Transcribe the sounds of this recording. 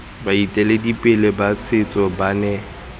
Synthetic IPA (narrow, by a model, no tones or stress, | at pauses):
baitʼɛledipʼɪlebasɪt͡sʼɔbanɛ